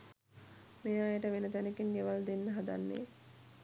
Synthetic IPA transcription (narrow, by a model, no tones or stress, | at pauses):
mejaːjəʈəʋenət̪ænekinːeʋald̪enːəɦad̪a̰nːḛː